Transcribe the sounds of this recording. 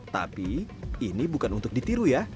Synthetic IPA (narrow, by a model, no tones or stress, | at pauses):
t̪a̰piːnibukanunt̪ʊk̚dit̪iɾuja